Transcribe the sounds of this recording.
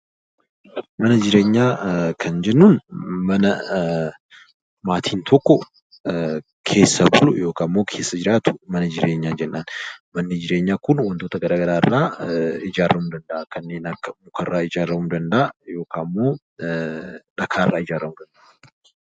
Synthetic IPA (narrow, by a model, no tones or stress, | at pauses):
mɐnɐd͡ʒɪɾe̞ːɲːaːkʰɐnd͡ʒɛnːunmɐnɐ | maːt̪ʰiːnt̪ʰɔkːɔ | kʰe̞ːsːɐbʊlʊ̰jo̞ːkaːmːo̞ːkʰe̞ːsːɐd͡ʒɪɾaːt̪ʊ̥mɐnɐd͡ʒɪɾʔe̞ːɲːaːd͡ʒɛnːaːnmɐnːɪd͡ʒɪɾeːɲːaːkʊnwɐnt̪oːt̪ɐɡɐɾaːɡɐɾaːɪrːaːɪd͡ʒaːrːɐmʊd̪ɐnd̪ɐʔakɐnːe̞ːnɐkːɐmʊkʰɐrːaːɪd͡ʒaːrːɐmʊd̪ɐnd̪ɐʔajo̞ːkaːmːo̞ː | ᶑɐkʰaːɪrːaːɪd͡ʒaːrɐmʊd̪ɐnd̪ɐʔ